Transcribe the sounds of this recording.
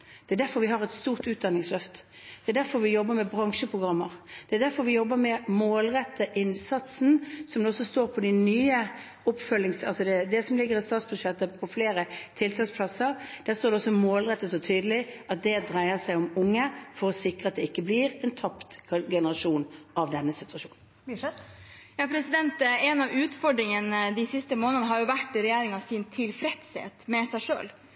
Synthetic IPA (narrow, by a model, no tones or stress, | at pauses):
d̪̥ɛæd̪æɾfɔɾʋɪɦɑɾɛt̪st̪uːʁt̪ʉːt̪̚d̪ɑnːɪŋslœft̪ | d̪̥ɛæd̪æɾfɔɾʋɪjɔbːəmɛbʁɑŋʂəpʰʁʊɡʁɑmːəɾd̪̥ɛæd̪æɾfɔɾʋɪjɔbːəmɛmoːlʁɛt̪ːəʔɪnsɑt̪sn̩sɔmd̪ɛɔsːɔst̪oːɾpʰɔd̪ænyːə | ʊpfœlːɪŋsɑ̰lsɔd̪ɛd̪ɛsɔmlɪɡːəɾɪst̪ɑːt̪sbʉʂɛt̪ːəpʰɔfleːɾət̪ʰɪlt̪ʰɑːspʰlɑsəɾd̪̥æst̪oːɾd̪ɛɔsɔmoːlʁɛt̪ːət̪ɔt̪ʰyːd̪əlɪʔɑt̪̚d̪ɛd̪ɾæɪəsæɪɔmʊŋːəfɔɾɔsɪkɾəɑt̪̚d̪ɛɪkːəbliːʁɛnt̪ʰɑpt̪ɡɛnəʁɑʂuːnɑʋd̪ɛnːəsɪt̪ʉɑʂu̥̰ːn̩ | jɑpʰɾɛsɪd̪ɛnt̪ɛnɑʋʉːt̪fɔɖɾɪŋənəd̪ɪsɪst̪əmoːnənəɦɑɾjʊʋæʈːɾɛjæːɾɪŋɑsint̪ʰɪlfɾɛt̪shḛːt̪mɛsæɪʂø̰ːl